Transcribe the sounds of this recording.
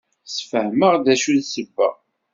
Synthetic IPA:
sfəhməʁd̪æʃuðsəbːə̰ʁ

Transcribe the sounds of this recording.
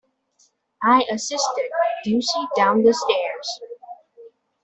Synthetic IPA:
aɪʔəsɪstɪd̚ːʉsidãʊ̃nðəstɛɹz̥

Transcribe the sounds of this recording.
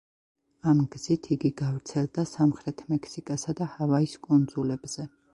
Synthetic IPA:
amɡz̥it̪ʰiɡiɡavɾt̪sʰɛlˠd̪asamχɾɛt̪ʰmɛkʰsikʼasad̪ahavaiskʼund̪zulɛbz̥ɛ

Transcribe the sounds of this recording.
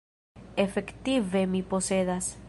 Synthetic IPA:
efekt̪iβemiposeðas

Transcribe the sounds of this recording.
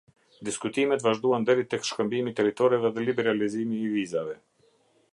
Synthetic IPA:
d̪iskut̪imɛt̪vaʒd̪uand̪ɛɾit̪ɛkʃkəmbimit̪ɛɾit̪ɔɾɛvɛðɛlibɛɾalizimiːvizavɛ

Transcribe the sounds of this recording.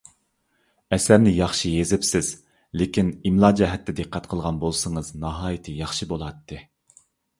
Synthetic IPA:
ɛsæɾnɪjɑχʃijezɪpsɪz | lekʲinimlˠɑːd͡ʒɛɦɛt̪ːɪd̪ɨqːæt̪qʰəlˠʁɑnbolˠsəŋəznɑɦɑːjit̪ʰɨjɑχʃibolˠɑt̪ːɨ

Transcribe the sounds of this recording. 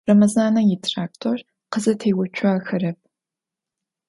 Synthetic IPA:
rɐmɐzaːnɐjɪtʰraːktʰor | qəzɐtʰejwʊt͡ʃʷʰɐxɐrɐp̚ʰ

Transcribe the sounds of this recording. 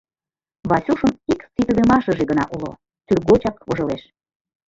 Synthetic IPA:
βɑsʲuʃəmikit̪βemɑʃə̆ʒeɣənɑ̰ʔulo̰ | syrɣot͡ɕɑkβoʒɤleʃ

